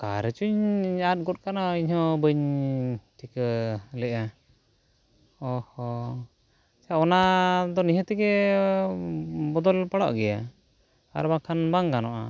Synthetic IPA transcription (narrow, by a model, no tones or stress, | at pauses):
kaɾɛt͡ʃuɲat̪̚ˀɡɔt̚kanɔiɲhɔ̃bəɲ | ʈʰiklɛʔa | ɔhɔ | t͡ʃaɔnad̪ɔniɦə̃t̪ɛɡɛ | bɔd̪ɔlpaɽɔ̰ʔɡɛja | a̰ɾbakʰanbaŋɡanɔʔa̰